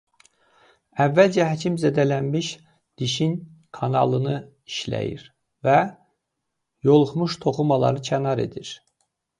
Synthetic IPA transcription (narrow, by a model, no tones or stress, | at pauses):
ævːæld͡ʒæɦæt͡ʃʰimzæd̪ælænmiʃ | d̪̥iʃin | kʰɑnɑlˠɯnɯ | iʃlæ̰jḭɾ | væ | jo̞lˠuχmuʃt̪ʰo̞χumɑlˠɑ̰ɾɯt͡ʃʰænɑɾe̞̰d̪iɾ